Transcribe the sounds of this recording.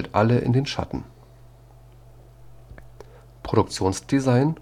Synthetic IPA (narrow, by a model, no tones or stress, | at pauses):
ltʔa̰ləʔɪ̰ndeːnʃa̰tn̩ | pʁ̥oɾʊk̚t͡sjoːnsd̥izaɪn